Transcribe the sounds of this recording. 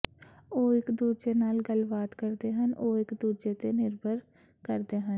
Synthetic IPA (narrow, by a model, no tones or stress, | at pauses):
oːɪkd̪uːd͡ʒenaːlɡəlbaːd̪kəɾd̪eɦənʔoːɪkd̪uːd͡ʒet̪enɪɾbʱəɾ | kəɾd̪eɦə̃n